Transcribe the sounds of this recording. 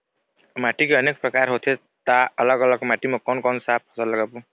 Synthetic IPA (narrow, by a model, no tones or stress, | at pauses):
maʈikeʌnek̚prʌkaɾɦot̪ʰe | t̪aʌlʌɡʌlʌɡmaʈimʌkʌnkʌnsap̚kʰɔsʌlʌɡapu